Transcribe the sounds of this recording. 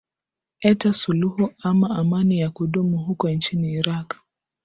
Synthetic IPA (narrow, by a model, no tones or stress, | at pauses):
ɛtasuluhuamaamanijakuɗumuɦukɔint͡ʃiniːɾak